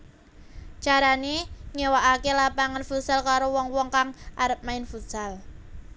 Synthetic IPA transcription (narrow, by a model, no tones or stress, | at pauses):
t͡ʃaɾaneɲewaʔakelapaŋanfutsalkaɾowɔŋwɔŋkaŋʔaɾəp̚maɪnfusal